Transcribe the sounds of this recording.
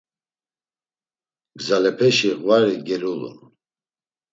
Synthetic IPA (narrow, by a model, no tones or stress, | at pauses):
ɡzalɛpʰɛʃiʁvaɾiɡɛɾulṵn